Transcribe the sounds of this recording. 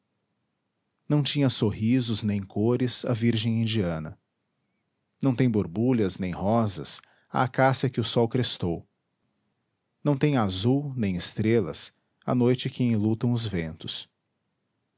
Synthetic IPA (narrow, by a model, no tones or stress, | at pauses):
nɐ̃w̃t͡ʃĩɲɐsoɦizʊznẽj̃kʰoɾɪzɐ̰viɾʒẽj̃ĩd͡ʒiɐ̃nɐ̰ | nɐ̃w̃t̪ẽj̃boɾbuʎɐznẽj̃hɔzɐ̰s | a̰ːkasɐkɪʊsɔwkɾest̪ow | nɐ̃w̃t̪ẽj̃azuwnẽj̃ɪst̪ɾelɐ̰s | a̰nojt͡ʃɪkɪẽlut̪ɐ̃w̃ʊzvẽnt̪ʊ̥s